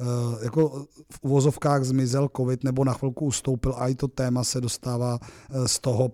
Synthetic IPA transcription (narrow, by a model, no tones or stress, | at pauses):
jakofʔuvozofkaːɣzmɪzɛlkovɪt̪nɛbonaxvɪlkuust̪owpɪlʔaɪt̪o̞t̪ɛːmasɛdo̞st̪aːvaːst̪oɦo